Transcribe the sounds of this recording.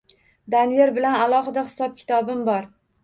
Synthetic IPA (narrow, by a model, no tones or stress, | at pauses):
d̪anjeɾbɪlanalˠɒɦɨd̪ahɪ̥sɒp̚kʲʰɪ̥t̪ʰɒbɪmbɒɾ